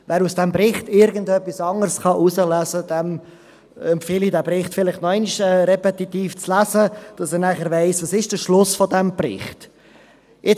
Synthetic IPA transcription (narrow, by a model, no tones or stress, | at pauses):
vɛːɾusd̥ɛmbɾɪχtɪɾɡəndœpːisɑŋəɾsχɑʔusəlæzəd̥ɛm | ɛmpfɪlidɛbɾɪχtfɪlɪχtnɔɛɪniʃɛːɾɛpɛtitiːft͡slæzəd̥ɑsəɾnæχəɾveɪsʋɑsɪʃd̥əʃlʊsfɔdɛmb̥rɪ̰χt | ɪ